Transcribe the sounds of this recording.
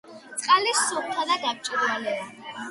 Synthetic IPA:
t̪sʼqʼalisup̚t̪ʰad̪ad̪ap̚t͡ʃʼiɾalɛa

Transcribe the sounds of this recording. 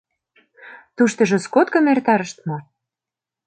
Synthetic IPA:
t̪uʃt̪ɤ̆ʒɤ̆skot̪kɤ̆mert̪ɑɾə̆ʃt̪mɑ

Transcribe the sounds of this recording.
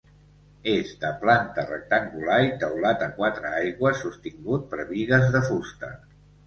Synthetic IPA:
ezd̪əplant̪ərək̚t̪əŋɡulaɾit̪əwlat̪əkwat̪ɾəajɣwəsːust̪iŋɡut̪̚pɾβiɣəzðəfust̪ə̰

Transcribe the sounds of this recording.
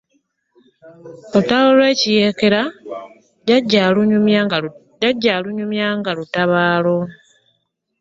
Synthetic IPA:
otaβolwe̞ːcije̞ːke̞ɾa | aɟːau | jaɟːaluɲumjaŋɡalutaβaːlo̞

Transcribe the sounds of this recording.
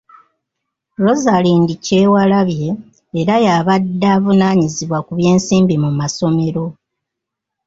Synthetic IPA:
lo̞zaliːndice̞ːwalaβje̞ː | ɾajaβadːaːvunaːɲiziβwakuβje̞ːnsiːmbimumaso̞me̞ɾo̞

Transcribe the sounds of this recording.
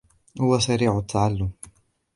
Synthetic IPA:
hʊwasaɾiːʕʊt̪ʰːaʕalːʊm

